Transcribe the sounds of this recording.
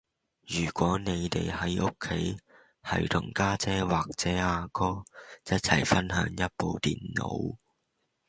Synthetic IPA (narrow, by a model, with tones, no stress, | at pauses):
jyː˨˩kʷɔː˨˥ne˨˧jt̪ḛ˨jhɐ˨˥jʔʊ˥kʰːe˨˥j | hɐ̰˨jt̪ʰʊ˨˩ŋkaː˥t͡sɛː˥waː˨˩k̚t͡sɛː˨˥aː˧kɔː˥jɐ˥t̚t͡sʰɐ̰˨˩jfɐ˥nɦœ̰ː˨˧˥ŋjɐ˥t̚po˨˧wt̪ḭː˨nːo̰˨˧˥w